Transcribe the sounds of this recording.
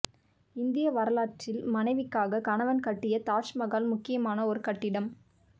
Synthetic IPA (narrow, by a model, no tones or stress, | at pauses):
ɪnd̪ɪjɐʋɐɾɐlaːʈrɪlmɐnɐɪʋɪkːaːɣɐkɐɳɐʋɐnkɐʈːɪjɐt̪aːʈʂmɐɣaːlmʊkːɪjɐmaːnɐɔɾɯkɐʈːɪɽɐm